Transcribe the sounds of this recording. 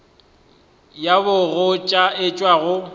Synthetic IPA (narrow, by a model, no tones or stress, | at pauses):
jabʊɣʊt͡ʃʼaɪt͡ʃʼwaɣʊ